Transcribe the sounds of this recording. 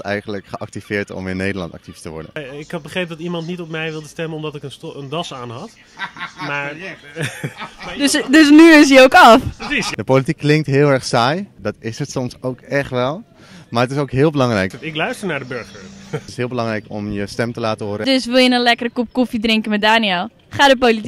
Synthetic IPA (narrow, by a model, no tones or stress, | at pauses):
ɛ̰jχənləkχəʔɑk̚tifɪːɹtɔ̰mɪnːejdəɹlɑ̰̃ntɑ̰k̚tiftəʋɔ̰ɹdə̰nɪkɑt̚bəχrejp̚dɑtimɑntnitɔpmɛjʋɪlˠdəstɛmənɔmdɑtɪkənəndɑsaːnɦɑt | maːɹ | dəsdøs̬nyɪs̬jəowkɑfsisdəpowlitikːlɪŋk̚tɦɪːlˠɛɹχsaːjdɑtɪsətsɔmsowkɛχtʋɛlˠ | maːrətɪs̬owkɦɪːlˠbəlɑŋrɛjkɪklœɥstəɹnaːɹdəbøɹχəɹɪsɦɪːlˠbəlɑŋrɛjkɔ̰mjəstɛmtəlaːtəɦʊːɾədøsʋɪlˠjənənlɛkərəkup̚kufidrɪŋkəmɛt̚daːniɛlˠ | χaːdəp̬olit